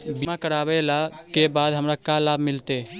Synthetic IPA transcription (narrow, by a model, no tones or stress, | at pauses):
bimãkəɾaːbelakebaːd̪ɦəmɾakalaːbmɪlt̪e